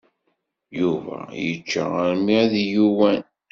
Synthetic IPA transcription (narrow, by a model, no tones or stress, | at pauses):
juvæ̰jət͡ʃːa̰əɾmiðjuwæn